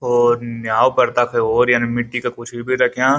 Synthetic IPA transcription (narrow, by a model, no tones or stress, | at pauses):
ɔːɾnjaːwpɐɾt̪apʰeɾoːɾjaːnimɪʈːikakʊt͡ʃʰbʱibʱiɾɐkʰjãː